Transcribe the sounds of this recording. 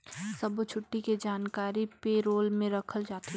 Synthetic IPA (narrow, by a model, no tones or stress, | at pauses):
sɐbt͡ʃʰʊʈːiked͡ʒaːnkaːɾipeɾoːlmẽɾɐkʰəld͡ʒaːt̪e